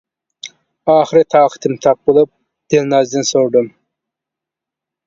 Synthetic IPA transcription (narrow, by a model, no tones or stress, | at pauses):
ɑːχɨɾɨt̪ʰɑːqʰɨ̥t̪ʰɨmt̪ʰɑp̚bolˠɨp̚ | d̪̥elnɑːzd̪ɨnsoɾd̪ɨm